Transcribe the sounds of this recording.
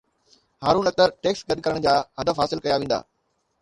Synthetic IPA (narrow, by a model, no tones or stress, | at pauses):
haːɾũːnɐk̚t̪əɾʈeːksɡɐd̪kɐɾəɽ̃d͡ʑaːɦɐd̪əfɦaːsɪlkɐjaʋẽːn̆d̪a̰ː